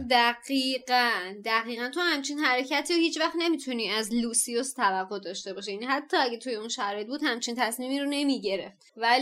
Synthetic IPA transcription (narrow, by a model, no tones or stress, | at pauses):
d̪æɡiːɢænd̪æɣiːɣænt̪ʰohæmt͡ʃʰinhæɾecʰæt̪ʰiːohiːt͡ʃʰvæχt̪ne̞miːt̪ʰuniːæzluːsiost̪ʰævæqːohd̪ɒːʃt̪e̞bɒːʃijænihæt̪ʰːɒːæɟæt̪ʰuje̞unʃæɾɒːjebuːd̪hæmt͡ʃʰint̪ʰæsmiːmiːɾone̞miːɟe̞ɾe̞ft̪væ